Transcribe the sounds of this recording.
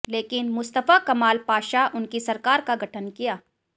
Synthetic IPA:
leːkɪnmʊst̪əfakɐmaːlpaːʃaʔʊnkisɐɾkaːɾkaɡʱɐʈʰənkijaː

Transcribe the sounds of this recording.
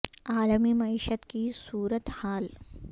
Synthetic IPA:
aːləmimɐiːʃət̪kisuːɾət̪haːl

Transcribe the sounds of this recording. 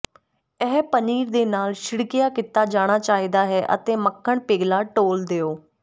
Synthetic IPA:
ɛːpəniːɾd̪eːnaːlʃɪɽkɪjaːkɪt̪aːd͡ʒaːɽ̃aːt͡ʃaːɦiːd̪aːɦɛːʔə̰t̪ẽːməkʰːəɳpeːɡlaːʈoːld̪eːoː

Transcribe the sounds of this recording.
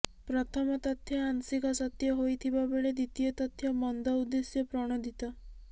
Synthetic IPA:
pɾɔt̪ʰɔmɔt̪ɔt̪ʰːjɔansikɔsɔt̪jɔɦojt̪ʰibabeɭed̪it̪ijɔt̪ɔt̪ʰːjɔbɔnd̪ɔud̪ːesjɔpɾɔɽ̃ɔd̪ʱit̪ɔ

